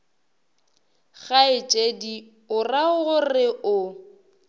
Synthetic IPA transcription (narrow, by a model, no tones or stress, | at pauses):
ɣaɪt͡ʃʼedi | ʊraɣʊrɪʊ